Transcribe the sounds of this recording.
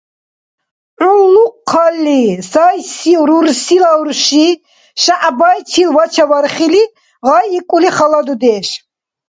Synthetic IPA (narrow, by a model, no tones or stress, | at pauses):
ʔʕulːuqʰːalːisajsiɾuɾsilauɾʃi | ʃaʔbajt͡ʃʰilvat͡ʃʰavaɾχili | ʁajikʼuliχalad̪ud̪ɛːʃ